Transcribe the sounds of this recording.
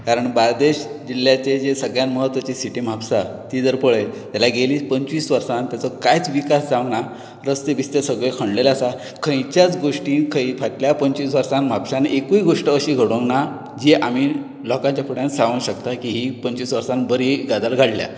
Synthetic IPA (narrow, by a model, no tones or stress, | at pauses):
kaɾəɳbald̪eɕd͡ʑilːjat͡ɕed͡zesəɡɭjanməɦət̪ːʋat͡ɕisiʈiːm̤apsat̪id͡zəɾpəɭet̪jalaɡeliːpəɲt͡ɕʋiːsʋəɾsãnt̪jat͡sɔkajt͡sʋikasd͡zãʋɳa | ɾəst̪eʋist̪esəɡɭekʰəɳɖlelasa | kʰə̃jt͡ɕjat͡sɡoʂʈĩːnkʰə̃ipʰaʈljapəɲt͡ɕiːsʋəɾsãnm̤apsãnʔekuiɡoʂʈəəɕiːɡʱəɽõŋkna | d͡ʑiʔamiː | lɔkãɲt͡ɕjapʰuɽjãnsaʋũɕəkt̪akiɦipəɲt͡ɕʋiːsʋəɾsãnbəɾiːɡad̪alɡʱaɽlja̰